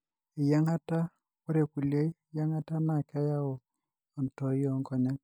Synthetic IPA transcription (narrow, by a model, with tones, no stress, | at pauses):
ɪ˨ja˦ŋa˦ta˦ | wo˦ɾe˨ku˨le˦i˦˨ja˦ŋa˦ta˦ma˦˨ka˦ja˦ɔ˨ | ɔ˨ntɔ˨˦jɔ˦ŋkɔ˨ɲa˦k